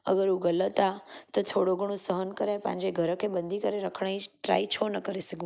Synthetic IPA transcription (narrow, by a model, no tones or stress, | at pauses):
ə̰ɡəɾũɡələt̪at̪ot̪ʰoɽoɡʱəɽ̃õsəɦənkəɾepã̰nd͡ʒeɡʱəɾəkʰebənd̪ʱikəɾeɾəkʰɳaiʈɾa̰it͡ʃʰonəkəɾisəɡũ